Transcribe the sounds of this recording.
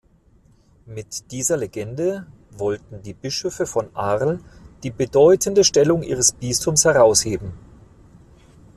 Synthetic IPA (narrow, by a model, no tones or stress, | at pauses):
mɪtd̥iːzɐleɡɛndə | vɔltn̩diːbɪʃøfəfɔnʔaʁl̩d̥iːbədɔʏtʰəndəʃtɛlʊŋʔḭːʁ̞əsb̥istʊmshɛʁaʊsheːbm̩